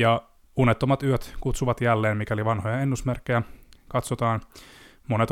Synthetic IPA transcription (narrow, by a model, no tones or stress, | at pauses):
jɑ | unet̪ːomɑt̪yøt̪kut̪suʋɑt̪jælːeːmmikæoliʋɑnhojɑenːusmerkːejækɑt̪sot̪ɑːn | monet̪